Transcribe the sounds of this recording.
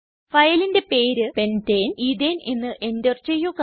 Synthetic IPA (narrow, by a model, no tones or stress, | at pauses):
fɐjlinde̞pe̞ːɾɨpe̞nteːnid̪eːne̞nːɨʔe̞ndert͡ɕejːoːkɐ